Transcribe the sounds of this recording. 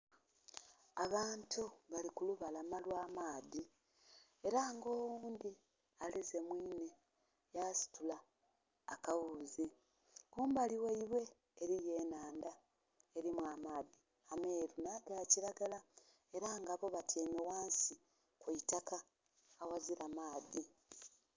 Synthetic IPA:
aβaːntuβalikuluβalamalwaːmaːði | e̞ɾaːŋɡo̞ːwuuːnd̪i | alize̞mwiːne̞ | jasi̥tulaː | kawuzi | kuːmbaliweiβwe̞ː | ɾije̞ːnaːnda | eɾimwamaːði | ame̞ːɾunaɡaciɾaɡala | e̞ɾaːŋɡaβo̞βatʰeːnowaːnsi | kweitakaː | waziɾamaːði

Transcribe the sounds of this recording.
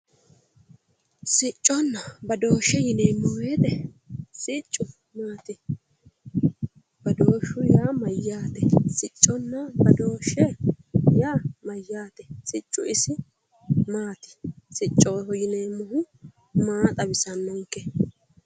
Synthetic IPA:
sɪt͡ʃʼːɔnːɐbɐd̪o̞ːʃːɛjɪneːmːʊweːd̪ɛ | sɪt͡ʃʼːʊ | maːt̪ɪ | b̥ɐd̪oːʃːʊjaːmɐjːaːt̪ɛsɪt͡ʃʼːɔnːɐbɐd̪o̞ːʃːɛ | jaːmɐjːaːt̪ɛ̥sɪt͡ʃʼːʊɪsɪ | maːt̪ɪ̥sɪt͡ʃʼːoːjɪneːmːʊhʊ | maːt̪ʼɐbɪsɐnːɔŋkːɛ

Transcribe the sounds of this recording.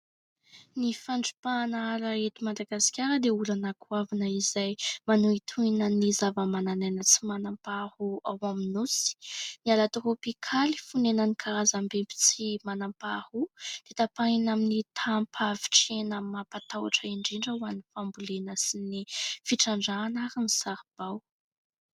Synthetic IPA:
nifaɳɖ͡ʐi̥panaaɾaet̪imad̪aɡasi̥kʲaɾəd̪eulanakuavanəizajmanuit̪ʰuinənizavəmananenət͡simanampahuawaminusi̥nialat̪uropikʰalifunenənikʰaɾazambempi̥t͡simanampahud̪̥et̪apainaminit̪ʰampʰavi̥ʈ͡ʂenəmapat̪awa̰ʈ͡ʂəiɳɖ͡ʐiɳɖ͡ʐauanifambulenəsinifiʈ͡ʂaɳɖ͡ʐaːnaɾinisaɾib̥aw

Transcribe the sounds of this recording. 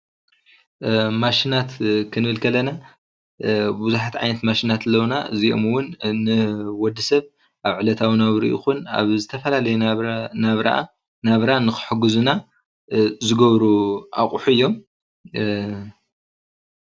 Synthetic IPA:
maʃinat̪kʰɨnɨβɨlkʰɐlɐna | buzuħat̪ʕa̰jnɐt̪maʃinat̪lːɐwnaɨziʔo̞̰mwʊnnɨwɔd̪ɨsɐβ | ʔaβʕɨlɐt̪ʰawnawɾḭʔṵxuna̰βzɨt̪ʰɐfɐlalɐjunaβɾa̰ʔa | naβɾanɨxɨ̥ħɨɡɨzuna | zɨɡɐβɾuʔakʼuħuɨjːo̞m

